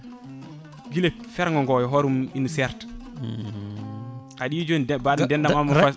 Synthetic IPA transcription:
ɡilefɛɾŋɡɔŋɡɔjɔɦɔɾuminusɛɾt | aɗid͡ʒondbaɗudɛndamamufa

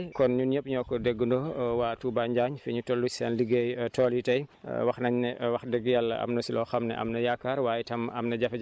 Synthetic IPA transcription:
kɔnɲunɲəpɲɔːkɔdɛɡːundɔwaːtuːbaɲɟaɲfɛɲutolːut͡ʃsɛnliɡejtɔːlitɐjwɐxnɐɲnɛwɐxdɛɡjalɐɐ̰mnɐsilɔxɐmnɛ̰ʔɐ̰mnɐjakːaːɾwaːjitɐmɐmnɐɟɐfɛ

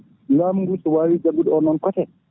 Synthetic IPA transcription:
lamɡusuwaːwid͡ʒaɡudɔnɔnkɔtɛ

